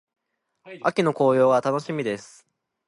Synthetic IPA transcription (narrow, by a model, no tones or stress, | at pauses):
akʲino̞ko̞ːjo̞ːɡat̪ano̞ɕimʲid̪e̞sɨ̥